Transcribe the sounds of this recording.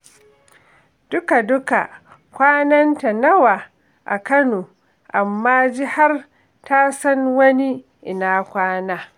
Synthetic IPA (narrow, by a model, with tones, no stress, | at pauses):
d̥ʊ˦ka˨dʊ˦ka̰˨ | kʷaː˦nɐ˦nta˨nɐ˦waː˨ | ʔa̰˨kɐ˦noː˨ | ʔa˨mːaː˦d͡ʒɪ˦ha˦r | ta˦sɐ˦nwɐ˦ni˦ | ʔɪ˨naː˦kʷaː˦naː˦